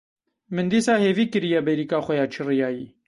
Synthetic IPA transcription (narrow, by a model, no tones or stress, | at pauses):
mɨnd̪iːsɑːheːviːkɨɾijɛbɛɾiːkɑːxʷɛjɑːt͡ʃʰirijɑːjiː